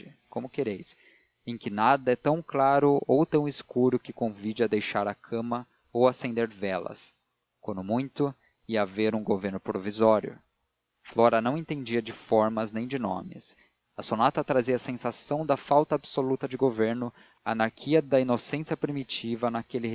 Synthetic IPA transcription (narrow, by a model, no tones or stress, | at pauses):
ɪ | kõmʊkeɾejs | ẽkɪnad̪ɐɛt̪ɐ̃w̃klaɾʊowt̪ɐ̃w̃ɪskuɾʊkɪkõvid͡ʒɪɐd̪ejʃaɾɐkʰɐ̃mɐ | owasẽnd̪eɾvɛlɐ̰s | kwɐ̃d̪ʊmũj̃t̪ʊ | iɐaveɾũɡoveɾnʊpɾovizɔɾjʊ̰ | flɔɾɐnɐ̃w̃ẽnt̪ẽd͡ʒiɐd͡ʒɪfɔɾmɐznẽj̃d͡ʒɪnõ̰mɪ̰s | ɐsonat̪ɐt̪ɾaziɐsẽsasɐ̃w̃d̪ɐfawt̪ɐːbsolut̪ɐd͡ʒɪɡoveɾnʊ | aːnaɾkʰiɐd̪ɐinosẽsiɐpɾimit͡ʃivɐnɐkelɪ